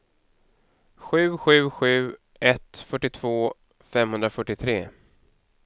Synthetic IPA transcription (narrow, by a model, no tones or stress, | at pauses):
ɧʉ̟ːɧʉ̟ːɧʉ̟ː | ʔɛt̪fœʈːɪt̪ʰv̥oː | fɛmhɵnd̪ɾafœʈːɪt̪ʰɾeː